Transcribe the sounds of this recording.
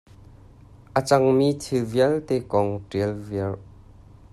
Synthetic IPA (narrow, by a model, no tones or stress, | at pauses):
ʔət͡sɐŋmit̪ʰiviəlt̪ekɔŋʈiəlviəl